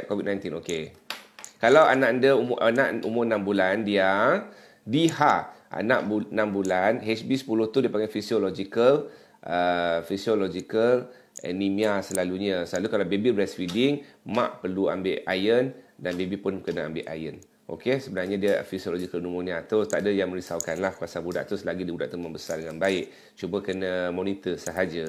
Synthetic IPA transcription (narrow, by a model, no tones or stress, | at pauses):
ʔ̚kovid̚najnt̪inoke | kalawa̰nãʔəndəumʔanaʔumʊrnãmbulandia | dihaʔa̰naʔbunãmbulanɦɛt͡ʃbisə̥pulʊht̪udiəpaŋɡajfisiolɔd͡ʒikəl | ʔəfisiolod͡ʒikəl | ʔə̰nimiasəlaluɲəsəlalukalabebibɾɛsfidɪŋmã̰ʔpərlua̰mbɪʔajəndanbebipʊnkənəa̰mbɪʔa̰jən | ʔo̰kesəbənarɲadiəfisiolod͡ʒikəlnumunat̪ot̪aʔdəjaŋmə̃ɾisawkanlahkuasabuda̰ʔt̪ʊslaɡidibudaʔt̪umə̃mbəsardəŋanbaɪʔ | t͡ʃubəkənəmonit̪əsəɦad͡ʒə